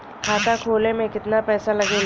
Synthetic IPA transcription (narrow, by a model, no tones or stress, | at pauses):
kʰaːt̪akʰoːlẽmẽkɪt̪napɛːsalɐɡeːl